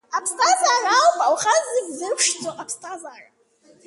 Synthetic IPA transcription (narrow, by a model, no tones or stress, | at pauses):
apʰstʰʼazaralpʼawχazɨɡʲzɨpʷʰʂd͡zoʔapʰstʰʼazara